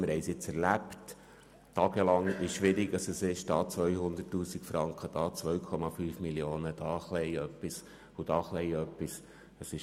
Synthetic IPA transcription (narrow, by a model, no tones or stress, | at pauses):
mɪɾhɛɪsjɪt͡sɛɾlæpt | tɑːɡəlɑŋɪʃʃʋɪɾiɡ̥ɑsəsɪʃd̥ɑːt͡sʋœjhʊnd̪ətːuːsikfɾɑŋkχəd̥ɑːt͡sʋœɥkʰɔmɑfyːfmiljoːnəd̪̥ɑːχlɛɪœpːis | ud̥ɑːχlɛjœpːis | əsɪʃ